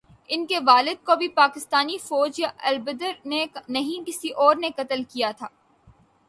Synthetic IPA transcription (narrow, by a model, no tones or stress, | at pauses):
ɪnkeʋaːlɪd̪̚kobʱipaːkɪst̪aːnifɔːd͡ʒjaɐlbəd̪əɾnenɐɦĩkɪsiʔɔːɾnekɐt̪əlkijat̪ʰaː